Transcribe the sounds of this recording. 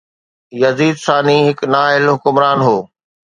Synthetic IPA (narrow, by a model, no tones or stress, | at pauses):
jɐziːd̪saːniɦɪknaːɪlɦʊkʊmɾaːnɦoː